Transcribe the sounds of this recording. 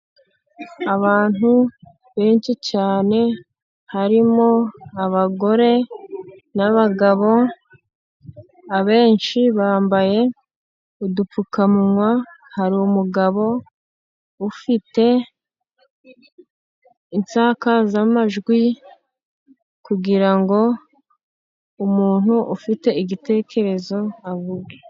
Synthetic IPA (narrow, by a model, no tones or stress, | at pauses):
aβaːn̥hu | βe̞ːnt͡ʃicaːne̞ | haɾimo̞aβaɡo̞ɾe̞ | naβaɡaβo̞ | aβe̞ːnʃiβaːmbaje̞ | udup͡fukamuŋwahaɾiumuɡaβo̞ | ufite̞ | insaːkazamaʒɡwi | kuɡiɾaŋɡo̞ | umuːn̥huʔufite̞iɡite̞ːkʰe̞ɾe̞zo̞avuɡe